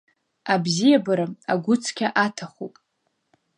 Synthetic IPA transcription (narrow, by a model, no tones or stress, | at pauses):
abzijabaɾaaɡʷʊt͡sʰkʲʰaʔatʰaχupʼ